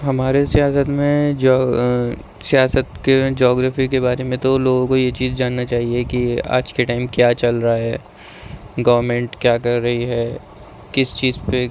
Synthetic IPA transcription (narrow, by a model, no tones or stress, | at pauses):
ɦɐmaːɾesijaːsət̪mẽd͡ʒ | sijaːsət̪ked͡ʒɔːɡɾaːfikebaːɾemẽt̪oloːɡõkojet͡ʃiːzd͡ʒaːnːat͡ʃaːɦiekia̰ːd͡ʒkeʈaːɪmkjaːt͡ʃɐlɾaaɦɛː | ɡɐʋəɾmẽːɳʈkjaːkɐɾːɐɦiɦɛː | kɪst͡ʃiːzpe